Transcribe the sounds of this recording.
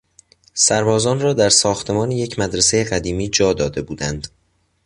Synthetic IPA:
sæɾbɒːzɒːnrɒːd̪æɾsɒːxt̪ʰe̞mɒːneje̞cʰmæd̪ɾese̞jeɣæd̪iːmiːd͡ʒɒːd̪ɒːd̪e̞buːd̪ænd̪̥

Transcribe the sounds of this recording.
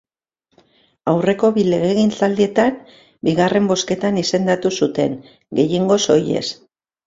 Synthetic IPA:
awre̞ko̞βile̞ɣeɣint͡sald̪ie̞t̪an | biɣare̞mbo̞ske̞t̪anise̞nd̪at̪usut̪e̞ŋ | ɡe̞jeŋɡo̞so̞je̞̰s

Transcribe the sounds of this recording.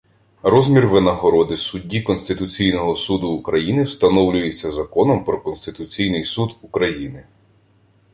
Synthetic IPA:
ɾɔzʲmʲirʋenɐɦɔɾɔd̪ɪsʊdʲːikɔnsʲt̪ɪt̪ʊt͡sʲijnɔɦɔsud̪ʊːkɾɐjinɪwst̪ɐnɔwlʲʊjet͡sʲːɐzɐkɔnɔmpɾɔkɔnsʲt̪ɪt̪ʊt͡sʲijnɪjsud̪ukɾɐjinɪ

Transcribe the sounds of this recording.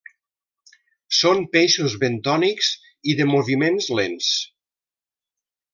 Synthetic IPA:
sompeʃuzβent̪ɔnikz | iðəmoβimenzlens

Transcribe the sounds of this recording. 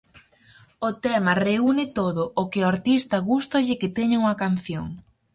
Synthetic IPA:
ʊt̪ɛmɐreunɪt̪oðʊʔːkɪʊaɾt̪ist̪ɐɣust̪ɐʎɪkɪt̪ɛɲauŋɐkan̟θjo̰ŋ

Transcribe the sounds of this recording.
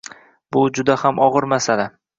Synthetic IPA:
b̥ʊd͡ʒʊd̪ahamʔɒʁɨɾmasala

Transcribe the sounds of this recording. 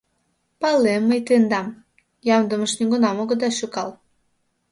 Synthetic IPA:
pɑlemːəjt̪end̪ɑm | jɑmd̪əməʃniɡunɑmoɣə̆d̪ɑʃukɑl

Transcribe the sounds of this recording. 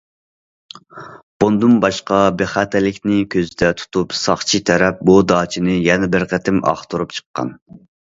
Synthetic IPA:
b̥ond̪umbɑʃqɑbeχæt̪ʰɛlɪkʲnɪkʲʰøzɪd̪ɛt̪ʰu̥t̪ʰupsɑχt͡ʃʰit̪ʰɛɾɛp̚bud̪ɑːt͡ʃʰinɪjɛnɛbɪɾqʰæt̪ʰɪmɑ̰χt̪uɾup̚t͡ʃʰə̥qːɑ̰n

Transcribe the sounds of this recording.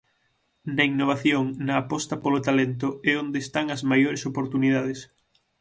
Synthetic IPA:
nɐiŋnoβ̞aθjoŋnɐːpɔst̪ɐpolot̪alent̪ʊɛond̪eːst̪aŋɐzmajoɾesopoɾt̪uniðaðes

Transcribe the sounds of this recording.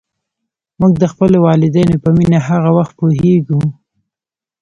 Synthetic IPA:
muɡ̚d̪əxpəlowɑlɪd̪ajnopəminaɦaɣawaxt̪̚poɦeɡu

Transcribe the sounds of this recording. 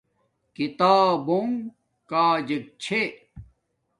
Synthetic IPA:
kit̪aːboŋ | kaːd͡ʑek̚t͡ɕʰe

